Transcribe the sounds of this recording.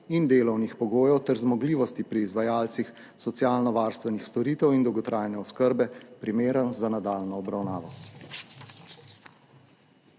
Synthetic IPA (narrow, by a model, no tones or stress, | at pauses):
ind̪eːlɔwnixpɔɡoːjɔwt̪ɛɾzmɔɡliːʋɔst̪ipɾiːzʋajaːlt̪six | sɔt̪sijaːlnɔʋaːɾst̪ʋɛnixst̪ɔɾiːt̪ɛwind̪ɔwɡɔt̪ɾʔaːjnɛɔskəɾbɛpɾimeːɾənzanad̪aːlnɔːbɾawnaːʋɔ